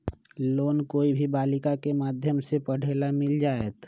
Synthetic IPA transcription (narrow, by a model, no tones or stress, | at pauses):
loːnkoːibʱibaːlɪkakemaːd̪ʱjəmsepəɽ̤eːlamɪld͡ʒaːeːt̪